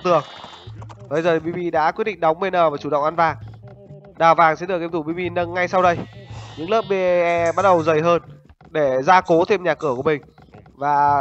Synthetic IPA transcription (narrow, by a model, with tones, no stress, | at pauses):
t̪ɨ˨˩əŋ | ɓə˨˧jzəː˨˩t̪ʰi˨ɓi˧ɓi˧ɗa̰ː˧˥kwt̚ɗḭ˧˨ŋ̟ɗa˨˦wŋ͡mɓe˧˩nəː˨˩vaː˨˩t͡ɕu˧˩ɗə̰˧˨wŋ͡mʔa˧nvaː˨˩ŋ | ɗaː˨˩wvaː˨˩ŋsɛ̰˧˥ɗɨ˨˩k̚te˧t̪u˧˩ɓi˧ɓi˧nə˧ŋːa˧jsa˧wɗə˧jɲɨ̰˧˥ŋləː˦˥p̚ɓe˧ʔɛ˧ɓa˦˥t̚ɗə˨˩wzə˨˩jɦəː˧n | ɗe˧˩zaː˧ko˨˦t̪ʰe˧mɲaː˨˩kɨ˧˩əku˧˩əmï˨˩ŋ̟ | vaː˨˩